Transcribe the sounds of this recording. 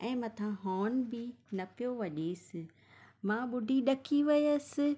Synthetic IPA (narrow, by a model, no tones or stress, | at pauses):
ɛ̃ːmɐ̃t̪ʰãɦoːnbɪnɐpijoʋɐʄeːsɪ | mãːɓʊɖʱiɗɐkʰiʋɪjəsɪ̆